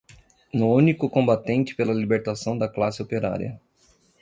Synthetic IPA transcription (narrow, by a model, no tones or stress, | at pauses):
nʊũnikʊkõbat̪ẽnt͡ʃɪ̥pelɐlibeɾt̪asɐ̃w̃d̪ɐklasɪopeɾa̰ɾḭɐ̰